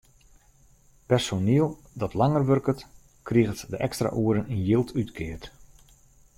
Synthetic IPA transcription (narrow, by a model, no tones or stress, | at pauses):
pɛrsoniəlˠ | dɔtlaŋərʋørkət | kriɣətdəʔɛkstra̰ʔuəɾəninjɪlˠtʰytkʰɪərt